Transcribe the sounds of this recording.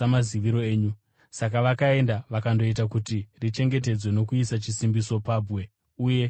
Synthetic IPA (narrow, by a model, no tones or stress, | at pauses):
amaziʋiɾo̞eːɲu | sak̬aʋakae̞ndaʋakando̞it̬akutirit͡ʃe̞ŋɡe̞t̬e̞d͡zwe̞no̞kuisat͡ʃisimbiso̞paːbwe̞ | uje̞